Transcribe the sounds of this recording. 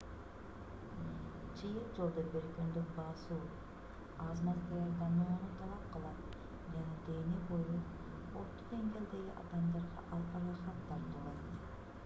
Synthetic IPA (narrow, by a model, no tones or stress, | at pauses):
t͡ʃɯjɯlˠd͡ʒolˠd̪obeɾkønd̪økbɑsuː | ɑzmɑst̪ɑjɑɾd̪ɑnoːnut̪ʰɑlˠɑp̚qɯlˠɑt̪̚ | d͡ʒɑnɑd̪e̞ːniboju | oɾt̪ːod̪e̞ŋɡʲe̞ld̪e̞ɡʲiʔɑ̰d̪ɑmd̪ɑɾʁɑ̰ʔɑlˠqɑɾɑχɑt̪ːɑɾt̪ulˠɑt̪